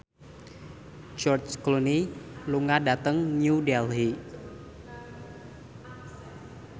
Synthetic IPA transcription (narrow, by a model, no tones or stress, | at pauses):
d͡ʒɔrt͡ʃkluniluŋadat̪əŋnudɛlɦi